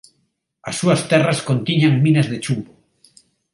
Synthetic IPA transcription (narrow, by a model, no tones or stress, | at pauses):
asːuast̪eraskont̪iɲaŋmĩnazðet͡ʃuβo